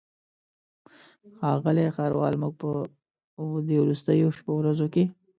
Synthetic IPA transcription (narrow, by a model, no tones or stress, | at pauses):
xɑɣəlexaɾwɑ̰lmʊɡ̚pə | d̪ewɾust̪əjoʃpowɾazoke